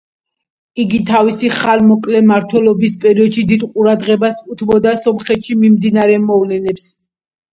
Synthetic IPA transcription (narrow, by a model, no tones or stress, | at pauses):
iɡit̪ʰavisiχalmɔkʼlɛmaɾt̪ʰwɛlɔbispʼɛɾiɔd̪ʃid̪id̪qʼuɾad̪ʁɛbasut̪ʰbɔd̪asɔmχɛt̪ʃimimd̪inaɾɛmɔvlɛnɛps